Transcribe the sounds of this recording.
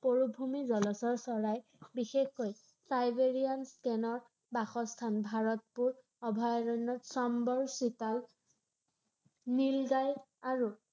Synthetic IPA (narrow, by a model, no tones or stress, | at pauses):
poɹubʱumizɔlɔsɔɹsɔɹaj | bixexkoj | sajbeɹianskɛnɔɹ | baxɔstʰanbʱaɹɔt̚puɹ | ɔbʱɔjɹɔjnːɔtsɔmbɔɹsital | nilzaj | aɹu